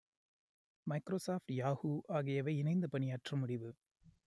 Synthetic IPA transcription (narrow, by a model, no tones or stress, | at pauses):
mɐɪkɾoːsaːfʈjaːɣuːʔaːɣɪjɐʋɐɪɪnɐɪnd̪ɐpɐnɪjaːʈrɐmʊɽɪʋɯ